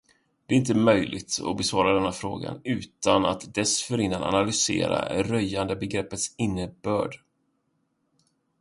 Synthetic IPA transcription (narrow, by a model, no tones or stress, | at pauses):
d̪̥ɛɾɪnt̪̬əmœjlʔɪ̰ɡt̪ɔ̰bɛsvɑːɾad̪ɛnːafɾoːɡa̰nʉ̟ːt̪anat̪d̪ɛsfœɾɪnːana̰nalʏsḛːɾa̰ɾœjːand̪əbɛɡɾɛpːət̪sɪnːəbœːɖ